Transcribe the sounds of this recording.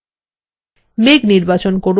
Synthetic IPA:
meɡniɾbat͡ɕonkoɾ

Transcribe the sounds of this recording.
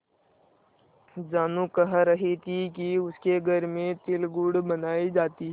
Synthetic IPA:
d͡ʒaːnũkɐɦəɾɐɦit̪ʰikiʊskeɡʱɐɾmẽt̪ɪlɡʊɽbɐnaːid͡ʒaːt̪iɦɛ

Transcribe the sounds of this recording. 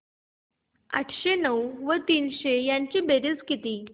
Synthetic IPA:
ə̰ʈʰɕenəwʋət̪iːnɕejaɲt͡ɕiːbeɾit͡skit̪iː

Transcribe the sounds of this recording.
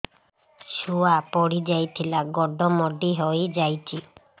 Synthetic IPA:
ʃuapɔɽid͡ʒajt̪ʰilaɡɔɖ̪ʱɔmɔɖiɦɔjd͡ʒajt͡ʃʰi

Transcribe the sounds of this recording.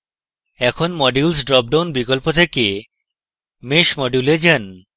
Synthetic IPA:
ɛkʰonmɔɖilsɖɾɔp̚ɖawnbikolpot̪ʰeke | meʃmɔɖuled͡ʑɛn

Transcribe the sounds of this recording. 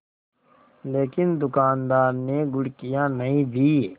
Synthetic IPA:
leːkɪnd̪ʊkaːnd̪aːɾneɡʊɽkijãnɐɦĩb̪ʱiː

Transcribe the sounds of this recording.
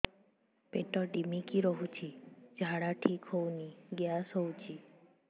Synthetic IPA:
peʈɔɖimikiɾɔɦut͡ʃʰid͡ʒʱaɽaʈʰikɦowniɡjasɦɔwt͡ʃʰi

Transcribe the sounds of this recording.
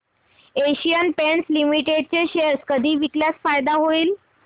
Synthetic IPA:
eɕijənpeɳslimiʈeɖ̚t͡ɕeɕeɾskəd̪ʱiːʋikljat͡sfajd̪aɦoiːl

